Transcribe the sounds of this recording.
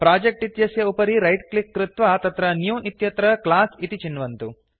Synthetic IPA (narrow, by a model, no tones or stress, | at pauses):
pɾaːd͡ʒek̚ʈit̪jɐsjɐupɐɾiɾɐjʈklikːɾɪt̪ʋaːt̪ɐt̪ɾɐnjuːʔit̪jɐt̪ɾɐklaːsit̪it͡ʃinːʋɐnt̪u